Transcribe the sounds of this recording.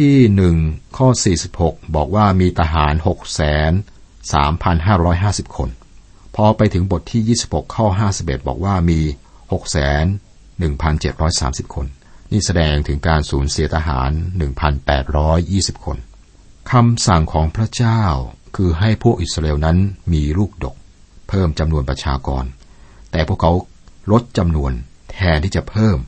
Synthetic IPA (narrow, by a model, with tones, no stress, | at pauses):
t̪ʰiː˥˩nɯ˨˩ŋkʰɔː˥˩siː˨˩si˨˩p̚ho˨˩k̚bɔː˨˩k̚waː˥˩miː˧t̪ʰa˧ɦaː˩˦nho˨˩k̚sɛː˩˦n | sa̰ː˩˦mpʰa˧nɦaː˥˩ɾɔː˦˥jɦaː˥˩si˨˩p̚kʰo˧n | pʰɔ˧pa˧jt̪ʰɯ˩˦ŋbo˨˩t̪ʰːiː˥˩jiː˥˩si˨˩p̚ho˨˩kʰːɔː˥˩ɦaː˥˩si˨˩p̚ʔḛ˨˩t̪̚bɔ̰ː˨˩k̚waː˥˩miː˧ | ho˨˩k̚sɛː˩˦nː | ɯ˨˩ŋpʰa˧nt͡ɕe˨˩t̪̚ɾɔː˦˥jsa̰ː˩˦msi˨˩p̚kʰo˧nː | iː˥˩sa˧dɛː˧ŋt̪ʰɯ˩˦ŋkaː˧nsuː˩˦nsi˨˩˦t̪ʰa˧ɦa̰ː˩˦nːɯ˨˩ŋpʰa˧npɛː˨˩t̪̚ɾɔː˦˥jːiː˥˩si˨˩p̚kʰo˧n | kʰa˧msa˨˩ŋkʰɔː˩˦ŋpʰɾa˦˥t͡ɕaː˥˩wkʰɯː˧ɦa˥˩jpʰu˥˩ək̚ʔi˨˩sɾʔeː˧wna˦˥nmiː˧ɾuː˥˩k̚do˨˩k̚ | pʰɤː˥˩mt͡ɕa˧mnu˧ənpɾa˧t͡ɕʰaː˧kɔ̰ː˧n | t̪ɛː˨˩pʰu˥˩əkʰa˦˥w | ɾo˦˥t̪̚t͡ɕa˧mnu˧ən | t̪ʰɛː˧nt̪ʰiː˥˩t͡ɕa˨˩pʰɤː˥˩m